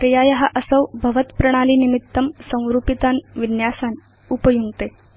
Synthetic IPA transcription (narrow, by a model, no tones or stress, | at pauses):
ɾjajəɦaʔəsəwbʱɐʋət̪pɾəɽ̃aliːnimit̪ːəmsə̃w̃ɾupit̪anʋinjasan | upəjuŋɡt̪e